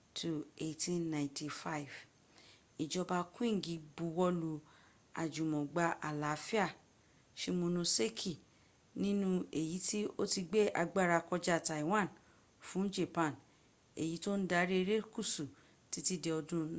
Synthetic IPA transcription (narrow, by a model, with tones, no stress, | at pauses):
tʰu˨e˧˨tĩ˦nːã˨ĩ˨nti˨fa˦i˨v | i˨d͡ʒɔ˧ba˧kũ˦ĩ˦˨ɡĩ˨˦bu˨˧˦wɔ˧lu˧ | a̰˨d͡ʒũ˨mɔ̃˨ɡ͡ba˧ʔa˨la˨˦fi˦a˦˨ | ʃe˦mõ˧nũ˧se˦kʰi˨ | nĩ˦nũ˦e˨ji˨˦ti˦o˦ti˧ɡ͡be˦ʔa˧ɡ͡ba˦˨ɾa˧kɔ˧d͡ʒa˧˨ta˨i˨w̃ã˦˨n | fũ˨˦d͡ʒe˨pã˨˦˨n | e˨ji˨˦to˦n̩˦da˧˦ɾe˦e˧ɾe˦ku˦˨su˨ | ti˨˦ti˦de˧ɔ˧dũ˦